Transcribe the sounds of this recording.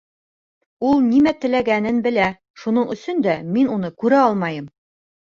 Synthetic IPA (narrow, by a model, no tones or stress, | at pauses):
ulˠnimæt̪ɘ̆læɡænɘnbɘ̆læ | ʃunɤɴɵ̆sɵnd̪æminunɤkʉɾæɒlˠmɑjɤm